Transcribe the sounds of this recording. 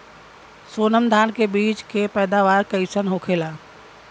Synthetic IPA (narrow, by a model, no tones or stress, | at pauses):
soːnəmd̪ʱaːnkebiːt͡ʃkepɛːd̪aːʋaːɾkəɪsənɦokʰeːlaː